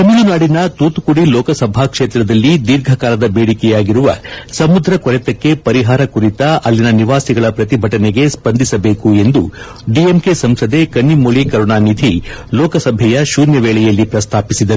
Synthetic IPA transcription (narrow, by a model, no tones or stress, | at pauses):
t̪ɐmulunaːɽinɐt̪uːt̪ukuɽilɔːkɐsɐbʱakʂeːt̪ɾɐd̪ɐlːid̪iɾɡʱɐkaːlɐd̪ɐbeːɽikɛjaːɡiɾuʋɐ̰sɐmud̪ɾɐkɔɾɛt̪ɐkːe̞pɐɾiɦaːɾɐkuɾit̪ɐʔɐlːinɐniʋaːsiɡɐɭɐpɾɐt̪ibʱɐʈɐneɡe̞spɐnd̪ʱisɐbe̞ːkue̞nd̪ṵ | ɖiemkesɐmsɐd̪e̞kɐnːimoɭikɐɾuɳaːnid̪ʱilɔːkɐsɐbʱɛjɐʃuːnjɐʋɛːɭɛjɐlːipɾɐst̪ʰaːpisid̪ɐɾu